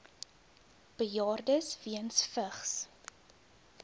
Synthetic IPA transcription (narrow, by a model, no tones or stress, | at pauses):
b̥əjɑːrdəsviənsfəχs